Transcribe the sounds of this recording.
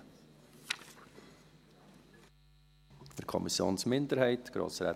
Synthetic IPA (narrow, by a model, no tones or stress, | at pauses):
fəɾkʰɔ̰misjo̰ːnsmɪnd̪əɾhɛɪtɡ̥ɾo̰ːsɾɛ̰